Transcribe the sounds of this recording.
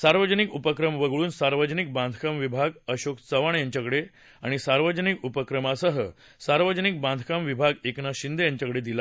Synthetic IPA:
saɾʋəd͡ʑənikupəkɾəmʋəɡɭuːnsaɾʋəd͡ʑənik̚bãnd̪ʱkamʋibʱaɡəɕokt͡səʋaɳjaɲt͡ɕakəɽe | a̰ɽ̃isaɾʋəd͡ʑənikupəkɾəmasəɦə | saɾʋəd͡ʑənik̚band̪ʱkamʋibʱaɡeknaɕind̪ʱejaɲt͡ɕakəɽed̪ila

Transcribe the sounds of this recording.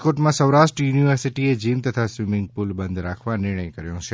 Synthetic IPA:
koʈmãsəʋɾaʃʈɾəjuniʋəɾsiʈied͡ʒimt̪ət̪ʰasʋɪmɪ̃ŋɡ̚pulbənd̪ɾakʰʋanɪɾɳ̃əjkəɾjõt͡ʃʰe

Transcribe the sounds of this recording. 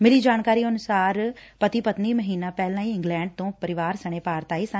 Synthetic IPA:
mɪliːd͡ʒaːnkaːɾiːənʊsaːɾpət̪iːpət̪niːməɦiːnãːpɛːlãːĩɪ̃ŋɡlɛ̃ːɳɖ̚t̪õːpəɾɪʋaːɾsəɽ̃eːpaːɾt̪aːiːs

